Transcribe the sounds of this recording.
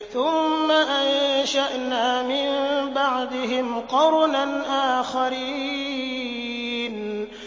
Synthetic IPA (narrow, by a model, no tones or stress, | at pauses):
θʊmːaʔanʃaʔnaːmɪmbaʕd̪ɪɦɪmqɑɾnanʔaːxaɾiː | n